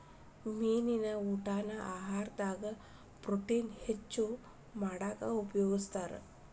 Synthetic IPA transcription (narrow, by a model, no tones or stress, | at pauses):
miːninəuʈaːnaʔaɦaːɾd̪aːɡə | pɾoʈinhet͡ʃːu | maɽaka̰upjoːɡəst̪aɾ̰